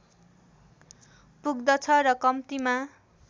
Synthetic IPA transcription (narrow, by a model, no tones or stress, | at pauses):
puɡd̪ʌt͡sʰʌɾʌkʌmt̪ima